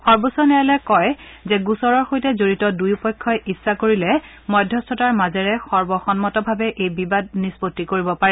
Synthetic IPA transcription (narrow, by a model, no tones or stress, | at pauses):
xɔɹbosɔnɛɹɛlɛkɔjzɛɡusɔɹɔɹxojtɛzoɹitɔdujupɔkʰːɔjʔisːakoɹilɛ | mɔjdʱjɔstʰɔtaɹmazɛɹɛxɔɹbɔxɔnmɔtɔbʱabɛʔejbibad̚nispotːikoɹibɔpaɹɛ